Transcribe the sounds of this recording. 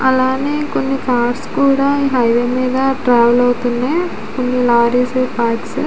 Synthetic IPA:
ɐlaːneːko̞nːikaːɾskuːɽaːiːɦɐjʋeːmiːd̪ɐʈɾaːʋɐlɐwut̪unːeː | konːilaːɾiːseːpaːks

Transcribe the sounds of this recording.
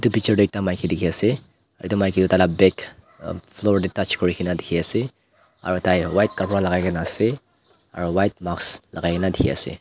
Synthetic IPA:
itupik̚t͡ʃɔɾdek̚tamajkʰidikʰiase | aɾitumajkʰitutalabɛk | pʰlɔɾditat͡ʃkɔɾikʰinadikʰiase | a̰ɾɔtajwajt̚kaɾpɔɾalaɡajɡanase | a̰ɾɔwajt̚maksla̰ɡajkenadikʰia̰sḛ

